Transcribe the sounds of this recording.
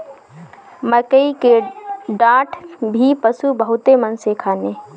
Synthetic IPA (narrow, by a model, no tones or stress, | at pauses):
məkəikeɖãːʈʰbʱipəsubəɦʊt̪emənsekʰaːneː